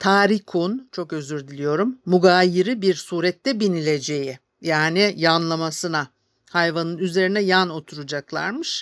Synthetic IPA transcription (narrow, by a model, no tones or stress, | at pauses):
t̪ʰaːɾikʰunt͡ʃʰo̞kø̞zyɾd̪ilʲijo̞ɾumːuɡaːjiɾibiɾsuːɾɛt̪ːɛbinilʲe̞d͡ʒe̞jɪ | jaːnijanlˠamasɯna | hajvanɯnyze̞ɾinɛjano̞t̪ʰuɾud͡ʒaklˠa̰ɾmɯʃ